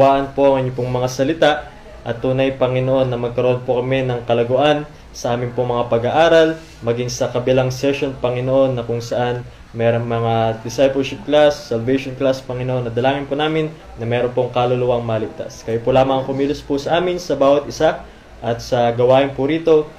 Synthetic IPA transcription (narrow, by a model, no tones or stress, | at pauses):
waːʔɐnpo̞ʔɐŋʔɪɲop̬ʊŋmɐŋasɐlɪt̪aʔ | ʔɐt̪ːuːnɐjpɐŋɪnoʔo̞nːɐmɐɡ̚kɐɾoʔo̞npokɐmɛnɐŋkɐlɐɡʊʔan | sɐʔaːmɪnpoŋmɐŋapɐɡaʔaːɾɐl | mɐɡiŋsɐkɐbɪlaŋsɛʃo̞npɐŋɪnoʔo̞nːɐkʊŋsɐʔan | mɛːɾo̞ŋmɐŋad̪ɪsajpɛlʃɪp̚klasːɐlvɛjʃonklaspɐŋɪnoʔo̞nːɐd̪ɐlaːŋɪnponaːmɪnːɐmɛːɾo̞npoŋkalolʊwaŋmɐlɪɡ̚t̪a̰skɐjopʊlaːmɐŋɐŋkʊmiːlɪspʊsɐʔaːmɪnsɐbaːwɐt̪̚ʔɪsa | ʔɐt̪sɐɡɐwaːʔɪnpʊɾiːt̪o̞